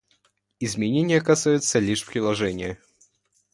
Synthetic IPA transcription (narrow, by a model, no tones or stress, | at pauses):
ɪzmʲɪnʲenʲɪjəkɐsajʊt̪səlʲiʂpɾʲɪlˠɐʐɛnʲɪjə